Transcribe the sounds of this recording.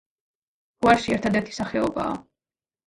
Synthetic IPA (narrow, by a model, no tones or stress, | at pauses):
ɡ̥uaɾʃiɛɾt̪ʰad̪ɛɾt̪ʰi̥saχɛɔba̰ː